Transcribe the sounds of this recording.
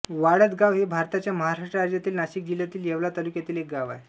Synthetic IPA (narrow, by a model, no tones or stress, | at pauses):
ʋaɽət̪ɡaʋɦebʱaɾt̪at͡ɕjaməɦaɾaʂʈɾəad͡ʑjat̪iːlnaɕiːk̚d͡ʑiljat̪iːljeʋlat̪alukjat̪iːlek̚ɡaʋa̰e